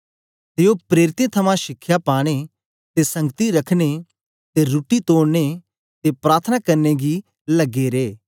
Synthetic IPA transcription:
t̪eopɾeːɾɪt̪ẽt̪ʰɐmãʃɪkʰːjapaːɽ̃e | t̪esɐ̃ŋɡət̪iɾɐkʰɽ̃e | t̪eɾuʈit̪oːɽne | t̪epɾaːɾt̪ʰənakɐɾneɡi | lɐɡeɾeː

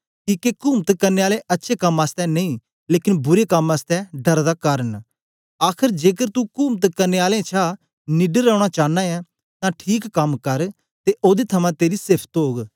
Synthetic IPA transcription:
kiːkekuːmt̪kəɾneːaːleʔətːʃʰeːkəmaːst̪ɛːnəĩː | leːkɪnbʊɾeːkəmaːst̪ɛːɖəɾd̪aːkəːɾən | aːkʰɪɾd͡ʒeːkəɾt̪ukuːmt̪kəɾneːaːlẽt͡ʃʰaː | nɪɖəɾaːɽ̃aːt͡ʃaːnãːjãː | t̪ãːʈʰiːkːəmkəɾ | t̪eːʔoːd̪eːt̪ʰəmãːt̪eːɾiːsɪɾpʰt̪oːɡ

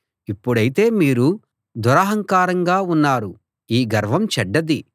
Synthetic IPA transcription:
ipːuɽɐjit̪e̞ːmiːɾu | d̪uɾaːɦɐŋkaːɾɐŋɡaːunːaːɾu | iːɡɐɾʋɐmt͡ʃɛɖːɐd̪i

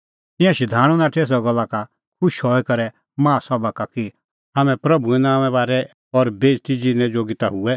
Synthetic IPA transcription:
t̪ɪ̃jãʃid̪ʱaːɽ̃ũnãʈʰeːs̬ɔɡɔlːaka | kʰʊʃɦɔikɐɾɛ | mãːsɔbakaki | ɦaːmɛ̃pɾɐbʱuɛ̃naːmɛ̃baːɾɛ | ɔɾbeːst̪id͡ʒinɛ̃d͡ʒoːɡit̪aɦuɛ

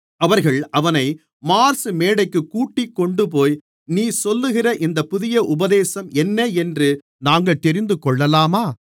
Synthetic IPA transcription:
ɐʋɐɾɣɐɭʔɐʋɐnɐɪ | maːɾsɯmeːɽɐɪkːɯkːuːʈːɪkːɔɳɖɯpoːj | niːsɔlːɯɣɪrɐʔɪnd̪ɐpʊðɪjɐʔʊbɐðeːsɐmɛnːeɛndrɯ | naːŋɡɐɭt̪ɛɾɪnd̪ɯkɔɭːɐlaːmaː

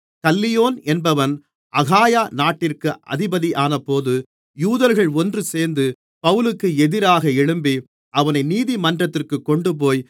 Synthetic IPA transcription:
kɐlːɪjoːnɛnbɐʋɐn | ʔɐɣaːjaːnaːʈːɪrkɯʔɐ̰ðɪbɐðiʔaːnɐpːoːðɯ | juːðɐɾɣɐɭɔndrɯseːɾnd̪ɯ | pɐʋɯlɯkːɯɛðɪɾaːɣɐɛɻɯmbi | ʔɐʋɐnɐɪniːðimɐndrɐt̪ːɪrkɯkːɔɳɖɯp̬oːj

